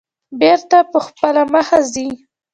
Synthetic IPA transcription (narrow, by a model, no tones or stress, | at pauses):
beɾt̪apəxpəlaməxazi